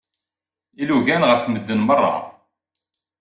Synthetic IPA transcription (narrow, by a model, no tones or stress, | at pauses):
iluʝænʁəfməd̪ːənmərˤːɑ̰